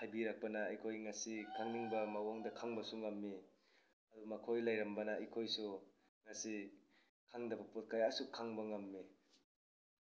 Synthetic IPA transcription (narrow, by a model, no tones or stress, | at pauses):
hajbiɾak̚pɐnɐːjkʰojŋasikʰaŋniŋbɐmawoŋdɐkʰaŋbɐsuŋamːi | ɐdumakʰojlajɾɐmbɐnɐɐjkʰojsu | ŋasi | kʰaŋdɐbɐpot̚kajasukʰaŋbɐŋamːi